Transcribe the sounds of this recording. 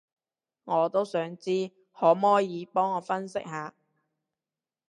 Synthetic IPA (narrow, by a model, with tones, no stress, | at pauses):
ŋɔː˨˧t̪o˥wsœː˨˥ŋt͡siː˥ | hɔː˨˥mɔː˥jiː˨˧pɔː˥ŋːɔː˨˧fɐ˥nsɪ˥k̚haː˨˧